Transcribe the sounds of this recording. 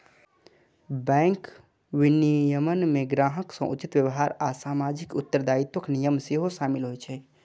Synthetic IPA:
bɛ̃ːŋk | wɪnijəmənmẽɡɾaːɦəksə̃ʔut͡ʃit̪ʋjəʋɦaːɾasaːmaːd͡ʒɪkʊt̪ːəɾd̪aːit̪wəknijəmseɦoʃaːmɪlɦoɛt͡ʃʰɛ

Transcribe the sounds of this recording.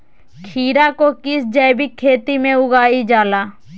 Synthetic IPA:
kʰiːɾakokɪsd͡ʒɛːbikʰeːt̪imẽʊɡaːid͡ʒaːlaː

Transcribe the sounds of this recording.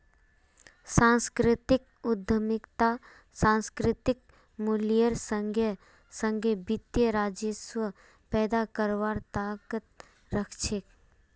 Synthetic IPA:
sãːnskɾɪt̪ɪk̚ | ʊd̪ʱːəmɪkt̪a | sãːnskɾɪt̪ɪk̚ | mulijəɾsəŋə | sə̃ŋɡʱebɪt̪jəɾaːd͡ʒəswə | pɛːd̪akəɾʋaːɾt̪aːkət̪̚ | ɾəkʰʃɪk̚

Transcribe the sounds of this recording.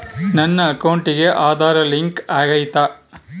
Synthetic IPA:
nɐnːɐːkɐwʊɳʈɪɣeʔaːd̪aːɾɐlɪŋkaːɣɐɪjt̪ːaː

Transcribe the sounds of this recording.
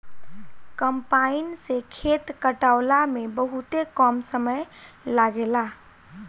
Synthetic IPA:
kəmpainsekʰet̪kəʈaʊlamebəɦut̪ekɔmsəməjlaɡela

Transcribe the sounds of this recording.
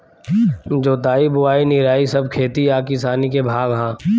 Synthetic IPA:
d͡ʒoːd̪aːibʊaːinɪɾaːisɐb̚kʰeːt̪iaːkɪsaːnikebʱaːɡɦãː

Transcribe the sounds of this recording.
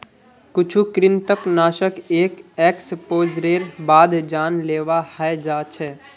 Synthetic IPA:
kʊt͡ʃʰukɾɪnt̪əknaːʃəkeːkɛːkspoːd͡ʒɾeːɾbaːd̪ʱd͡ʒaːnleːʋahad͡ʒaːt͡ʃʰɛː

